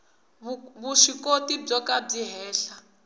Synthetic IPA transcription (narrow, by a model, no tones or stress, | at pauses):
βuʂikotib͡ʐɔkab͡ʐiɦɛːɬa